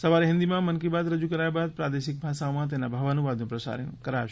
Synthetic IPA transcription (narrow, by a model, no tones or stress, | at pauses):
sɐʋaːɾeɦĩnd̪imãmɐnkibaːd̪ɾɐd͡ʒukəɾaːjbaːd̪̚pɾaːd̪eʃɪk̚bʱaːʃaomãt̪̬eɦnabʱɐʋanuʋaːd̪nũpɾɐsa̰ɾə̰nkɐɾaʃ